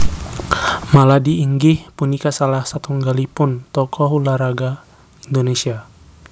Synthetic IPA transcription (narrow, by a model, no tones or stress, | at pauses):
maladiːŋɡihpunikasalahsat̪uŋɡalipunt̪ɔkɔɦulaɾaɡa | indonesia